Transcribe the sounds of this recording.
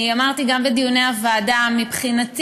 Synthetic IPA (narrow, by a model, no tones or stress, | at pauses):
amaʁt̪iɡambed̪ijuneavaːdamipχinat̪